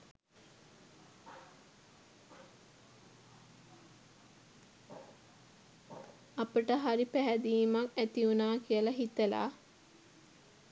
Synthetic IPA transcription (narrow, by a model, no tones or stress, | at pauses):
apəʈəɦaɾipæɦæd̪iːmakæt̪iunaːkijəlɐɦit̪əla̰ː